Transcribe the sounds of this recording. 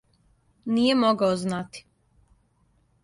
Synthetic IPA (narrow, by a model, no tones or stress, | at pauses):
nijemoɡaoznat̪i̥